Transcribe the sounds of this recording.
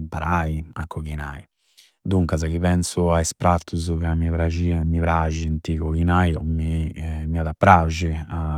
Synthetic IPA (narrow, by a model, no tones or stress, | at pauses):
paɾaia̰kʰːɔɣinaːi | d̪uŋkazak̟ipɛnsʊaespɾat̪ːuzukamiavɾad͡ʒiamːipɾaʒint̪ikɔkinajɔmimiad̪apːɾaʒia